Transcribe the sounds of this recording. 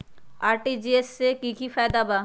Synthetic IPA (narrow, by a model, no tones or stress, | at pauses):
aɾʈid͡ʑiesekikifajd̪aba